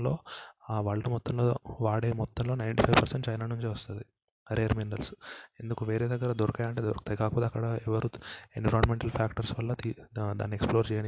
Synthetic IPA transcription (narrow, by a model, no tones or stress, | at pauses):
lo̞ːʋaːɭːɐʈumɔt̪ːɐmloːʋaːɽeːmɔt̪ːɐmlo̞ːnɐjɳʈipʰɐjʋpɐɾseɳʈt͡ʃɐjnanuɲt͡ʃeʋɐst̪und̪i | ɾeːɾmiɳɖɐlse̞nd̪ukuʋe̞ːɾeːd̪ɐɡːɐɾɐd̪ɔɾɐkɐjɐɳʈeːd̪oɾkt̪aikaːkɐpɔːt̪eɐkːɐɽɐɛʋɐɾuenʋiɾoːɳmeɳʈɐlpʰaːkʈɐɾsʋɐlːɐid̪a̰ːnːieksploːɾt͡ʃɛːjɐn